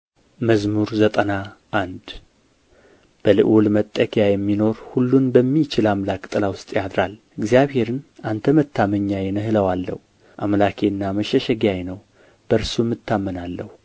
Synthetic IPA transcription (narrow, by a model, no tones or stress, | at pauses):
məzmuɾzət̪ʼənaʔːnd̪ | b̥əlɨ̰ʔwulmət̪ʼːəkʰjajɛmːino̞ɾhulːunbəmːit͡ʃɪlamlakʼt̪ʼːɨlawʊst̪ʼjad̪ɾal | ɨɡzjaβhe̞ɾɨnʔant̪ʰəmət̪ʰːaməɲːajɛnəhɨləwalːə̰hu | ʔamlakʰeɨnːaməʃɛʃɛɡjajnəw | b̥əɾsumːɨt̪ʰːamːənalːəhu